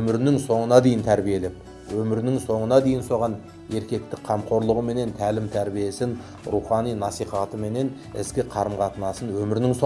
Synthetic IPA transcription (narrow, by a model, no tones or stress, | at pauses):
ɵmɪɾɪnɪŋso̞ɴənɑd̪e̞jɪnt̪ʰæɾbije̞lep̚ | wɵmɪɾɪnɪŋso̞ɴənɑd̪e̞jɪnso̞ʁɑn | e̞ɾkʲe̞k̚t̪ɪk̚qʰɑmqʰo̞ɾlˠəʁəme̞ne̞nt̪ʰælɪmt̪ʰæɾbije̞sɪn | ɾuχɑnijnɑsijχɑt̪əme̞ne̞n | ɪ̰skʲɪqʰɑɾəmqɑt̪ənɑsənwɵmɪɾnɪŋso